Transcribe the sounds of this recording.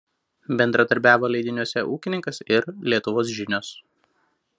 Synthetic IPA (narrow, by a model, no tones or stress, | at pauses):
bʲɛnd̪ɾɐd̪ɐɾʲbʲæːʋoːlʲˠɐɪd̪ʲɪnʲuɔsʲɛʔuːkʲɪnʲɪŋkɐsɪɾlʲiɛt̪ʊʋoːs̬ʒʲɪnʲoːs